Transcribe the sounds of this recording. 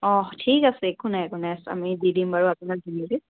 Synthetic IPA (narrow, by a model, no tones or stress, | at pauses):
ɔ̃tʰikasɛekunakʊnasa̰mididimbaɹuapʊnak̚dinizi